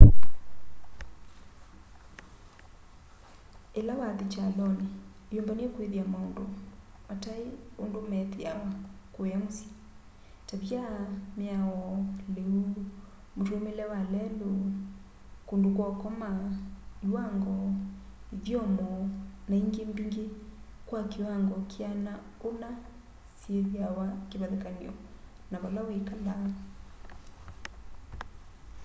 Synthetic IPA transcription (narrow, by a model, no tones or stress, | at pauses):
elawaðet͡ʃalɔneː | jombaniɛkweðjamaondo | mataeondomɛteakojamosi̥ | taβjamjaɔleu | motwomelɛwalɛlo | kondok̬wɔkɔma | iwaŋɡɔ | iðjɔmɔnaiŋɡembiŋɡekwakiwaŋɡɔkʰiana | ona | sjeðjawakeβaðekaniɔ | naβalawekala